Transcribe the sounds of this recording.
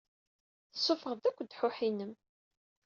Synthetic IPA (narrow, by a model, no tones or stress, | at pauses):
θə̥sˤːofəʁðækʷːd̪ħʊħinəm